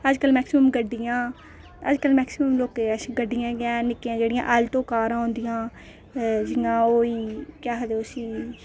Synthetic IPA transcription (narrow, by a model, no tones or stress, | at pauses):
əd͡ʒkəlmɛːksɪməmɡəɖːɪjãː | əd͡ʒkəlmɛːksɪməmloːkeəsɡəɖːɪjãːɡɪãːnɪkːejãːd͡ʒeːɽɪjã̰ːʔəlt̪oːkaːɾãːõnd̪ijãː | d͡ʒɪãːoːiːkjaːɦəd̪eʊsiː